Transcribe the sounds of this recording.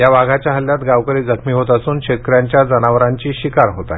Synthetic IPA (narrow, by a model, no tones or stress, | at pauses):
jaʋaɡʱat͡ɕjaɦəljat̪ɡaʋkəɾiːd͡zəkʰmiːɦot̪əsuːnɕekɾjaɲt͡ɕjad͡zənaʋɾaɲt͡ɕiːɕikaɾɦot̪a̰j